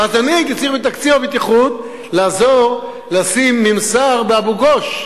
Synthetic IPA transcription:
azanikit͡siʁbet̪akt͡siabit̪iχut̪̚ | laːzoʁ | lasimːimsaʁbeabuɡoʃ

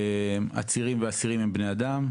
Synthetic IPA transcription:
ma̰t͡siʁimveasiʁimembnead̪am

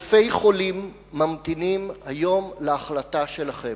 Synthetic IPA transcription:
fejχo̞limː | amt̪inimhajo̞mleaχlataʃe̞laχe

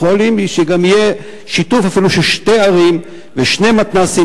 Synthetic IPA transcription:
olimʃeɡamije | ʃitufafiluʃelʃte̞jaʁim | veʃne̞mat̪nasi

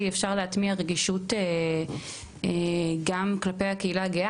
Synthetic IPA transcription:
iefʃaʁleatmiaʁeɡiʃute | ɡamklape̞jhakeilaɡea

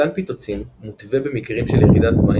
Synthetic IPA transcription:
anpit̪ot͡simmut̪vebemikʁimʃeljeʁidat̪ma

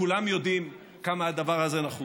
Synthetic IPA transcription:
ulamjo̞d̪im | kamaad̪avaʁaze̞naχu

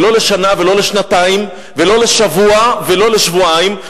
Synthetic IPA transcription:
lo̞le̞ʃanavelo̞leʃnat̪aim | velo̞le̞ʃavuavelo̞leʃvuaim

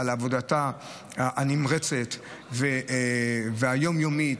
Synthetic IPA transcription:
alavodata | ʔanimʁet͡set̪ | ve | veajo̞mjomi

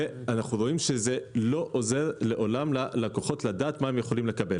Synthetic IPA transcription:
eanaχnuʁo̞imʃezelo̞ʔoze̞ʁle̞ʔo̞lamlalakoχo̞tlad̪aːt̪mae̞mjeχo̞limle̞kabe̞l

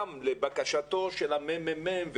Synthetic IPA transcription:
mlebakaʃat̪o̞ʃelamemememv

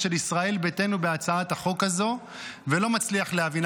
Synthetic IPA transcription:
ʃe̞lisʁae̞lbete̞nube̞at͡saataχo̞kazo̞ | velo̞mat͡sliaχlehavin

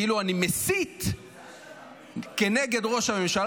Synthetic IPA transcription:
iluanimesit̪ | ke̞ne̞ɡe̞dʁo̞ʃamemʃal

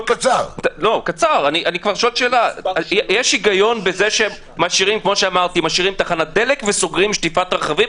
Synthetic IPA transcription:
kat͡saʁlo̞kat͡saʁaniʔanikvaʁʃolʃeːlajjeʃiɡajo̞nbe̞zeʃe | maʃiʁimkmo̞ʃeamaʁt̪imaʃiʁimt̪aχanad̪e̞lekveso̞ɡʁimʃt̪ifat̪ʁeχavim

